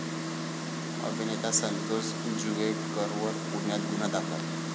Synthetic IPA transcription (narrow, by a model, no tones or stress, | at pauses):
ə̰bʱinet̪asənt̪os | ind͡ʑuɡeʈkəɾʋəɾpuɳjat̪̚ɡunad̪akʰat̪